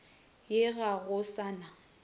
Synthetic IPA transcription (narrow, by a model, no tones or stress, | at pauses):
jɪɣaɣʊsaːna